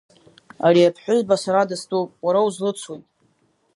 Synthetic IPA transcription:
ariapʰħʷᶣʊʒbasaɾadastʼupʼwaɾawuzlɨt͡sʷʰojtʼ

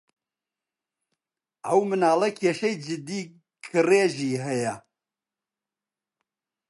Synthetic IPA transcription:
ʔɐwmɨnaːlˠɐkʰeːʃɐjd͡ʒɨd̪iː | kʰɨreːʒiːɦɐjɐ

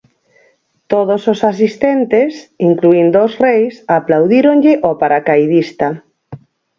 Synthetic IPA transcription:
t̪oðososasist̪ɛnt̪esiŋkluind̪osrejsaplawðiɾoŋʎɪʔopaɾakajðist̪a

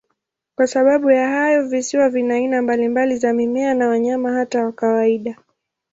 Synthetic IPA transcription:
kwasaɓaɓujaɦajɔvisiwavinainambalimbalizamimɛanawaɲamahatawakawaiɗa

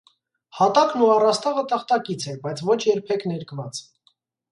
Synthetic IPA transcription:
hɑt̪ɑknuɑrɑst̪ɑʁət̪əχt̪ɑkit͡sʰɛbɑjt͡sʰvɔt͡ʃʰjɛɾpʰɛkʰnɛɾkvɑt͡s

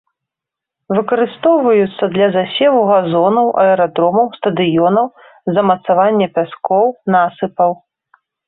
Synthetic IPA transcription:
vɨkɐɾɨst̪ɔwvɐjut̪sːɐd̪lʲɐzasʲɛvuɣazɔnɐwʔɐ̰ɛɾad̪ɾɔmɐwst̪ɐd̪ɨjɔnɐw | zɐmɐt̪savanʲːɛpʲaskɔwnasɨpɐw

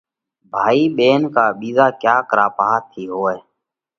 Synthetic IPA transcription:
bʱaːiːɓeːnkaːɓiːzaːkjaːkəɾaːpaːɦaːt̪ʰiːɦoːɛː

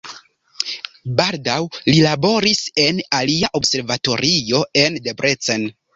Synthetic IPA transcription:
baldawlilabo̞ɾise̞naliaʔo̞bse̞ɾvato̞ɾio̞e̞ndebɾet͡sen

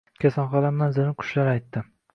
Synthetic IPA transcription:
kʲʰasanχɒlamnanzɪɾɪqʰʊ̥ʃlaɾajt̪ːɪ

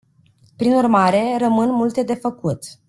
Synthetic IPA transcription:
pɾinurmaɾe̞rəmɨnmult̪e̞d̪e̞fəkut̪

